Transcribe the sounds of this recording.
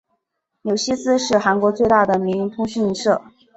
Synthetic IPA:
njo˨˩ʊɕi˥sɹ̩˥ʂɻ̩˥˩xa˧˥nkwɔ˧˥t͡swe˥˧ɪt̪a˥˩d̪ə˩mi˧˥y˧˥ŋt̪ʰʊ˥ŋɕy˥˧ni˧˥ʂɤ˥˩

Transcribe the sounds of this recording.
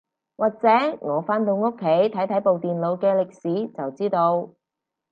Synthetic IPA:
waː˨˩k̚t͡sɛː˨˥ŋɔː˨˧faː˥nt̪o˧wŋo˥kʰːe˨˥jt̪ʰɐ˨˥jt̪ʰɐ˨˥jpo˨wt̪iː˨nlo˨˧wkɛː˧lɪ˨k̚siː˨˥t͡sɐ˨wt͡siː˥t̪o˧w

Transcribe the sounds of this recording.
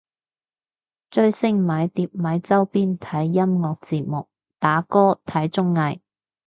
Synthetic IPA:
t͡ʃɵ˧ɥsɪ˥ŋmɐ˨˧˥jt̪iː˧p̚mɐ˨˧˥jt͡sɐ˥wpiː˥nt̪ʰɐ˨˥jːɐ˥mŋɔː˧k̚t͡siː˧p̚mʊ˨k̚ | t̪aː˨˥kɔː˥t̪ʰɐ˨˥jt͡sʊ˥ŋːɐ˧j

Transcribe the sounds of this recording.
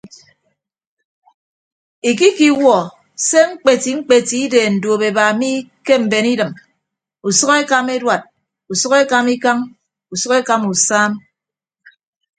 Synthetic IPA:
i˨ki˦ki˦wɔ˨ | se˦ŋ͡m̩˦k͡pe˨ti˨ŋ͡m̩˦k͡pe˨ti˨˦i˦de˨n̩˨do˨be˨ba˨mi˦ke˦m̩˨be˨ni˦dɨ˨m | u˨sɔ˦ke˦ka˦me˦dwa˨t̚ | u˨sɔ˦ke˦ka˦mi˦ka˦ŋ | u˨sɔ˦ke˦ka˦mu˨saː˦m

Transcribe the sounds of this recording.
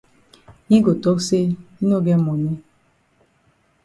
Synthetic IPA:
i˦ɡo˨tɔ˦kse˦i˦no˦˨ɡɛ˦mɔ˨ni˦

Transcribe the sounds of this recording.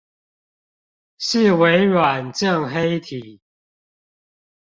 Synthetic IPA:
ɕ̩˥˨we˨˦ɪɻwa˨˩nʈ͡ʂə˥˨ŋɦe˦ɪt̪ʰi˨˩˦

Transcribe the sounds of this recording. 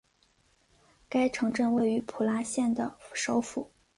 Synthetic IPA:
ka˥ɪʈ͡ʂʰɤ˧˥ŋʈ͡ʂə˥˧nwe˥˩ɪy˧˥pʰu˨˩la˧˥ɕjɛ˥˩nd̪ə˩ʂo˥ʊfu˨˩˦

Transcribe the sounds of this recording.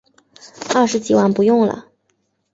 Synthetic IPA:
ɐ˥˩ʂɻ̩˧˥t͡ɕi˨˩wa˥˩npu˧˥jʊ˥˩ŋlə̰˩

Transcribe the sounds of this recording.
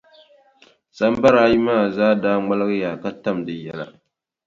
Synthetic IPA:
sa˦m˦ba˦ɾa˦ji˦maː˦˨zaː˦daː˦ŋ͡ma˦lɨ˦ɣɨ˦jaː˨ka˦ta˦mdɨ˨jɛ˦la̰˨

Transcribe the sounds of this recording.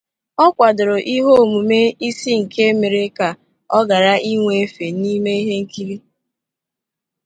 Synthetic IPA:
ɔ˦kʷa˨dʊ˨ɾo˨ʔi˦ɦo˦o˨mu˨me˦i˦si˦ŋ̩˨kʰe˦me˨ɾe˦ka˨ | ɔ˦ɡa˨ɾa˦ʔi˦ŋʷe˨e˦fe˨ni˦me˦i˦ɦe˦ŋ̩˦ki˦ɾi˦

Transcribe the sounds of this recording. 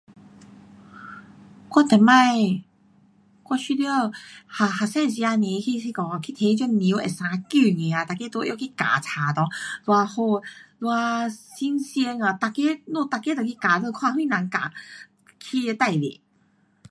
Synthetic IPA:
kwa˥˧t̪ɛ˨˩mã˥˧˨j | kwa˥˧ɕi˧ljo˥˧ha˨˩ha˨˩sɛ̃˥˧nɕ̬i˧a˧ne˨˦˧kʰi˧si˧kɔ˨kʰi˧t̪ʰe˧˦˧t͡ɕo˥˧˦ni˨˦ḛ˨˩sã˨˧˦ku˥˧ŋe˨˦a˨˩t̪a˨˩kːe˦t̪wɔ˧˦ʔjo˧˨kʰi˦˧ka̰˨˩t͡sʰa˨˩t̪ɔ˧lwa˧ho˧lwa˧si˧˦ŋsje˧ŋa˨˧t̪a˨ke˦nɔ̃˧˨t̪a˨˩ke˦t̪ɔ˨kʰi˧ka˨˩lə˧kʰwã˥˧hwi˧˨nã˨˦ŋka̰˨˩ | kʰi˧e˧t̪a˥˧˩jlḛ˨˩˦

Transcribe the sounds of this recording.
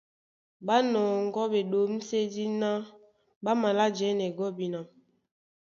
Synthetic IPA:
ba˦nɔː˨ŋ˦ɡɔ˦be˨ɗo˨˦m̩˦se˦di˦na˦ | ɓa˦ma˨la˦d͡ʒɛ˨˦nɛ˨ɡɔ˦bi˨na˨

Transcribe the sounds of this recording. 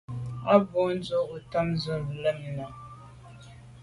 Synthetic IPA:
a˦bo˦n̩˦d͡zo˦u˨ta˦mzɨ˦vla˦mi˨na˨

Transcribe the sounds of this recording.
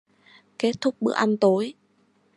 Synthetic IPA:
ke˦˥t̚t̪ʰʊ˦˥k͡p̚ɓɨ̰˦˥əʔa˧nt̪o˨˦j

